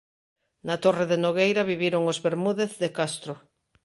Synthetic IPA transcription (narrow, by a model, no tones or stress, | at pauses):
nat̪oreðenoɣejɾaβ̞iβjeɾoŋozβeɾmuðeθðekast̪ɾo